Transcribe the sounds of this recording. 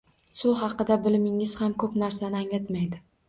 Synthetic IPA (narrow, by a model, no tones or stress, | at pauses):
sʊɦɑqɨd̪abɪlmɪŋɪz̥hamkʰɵpnaɾsanɪaŋlat̪majd̪ɪ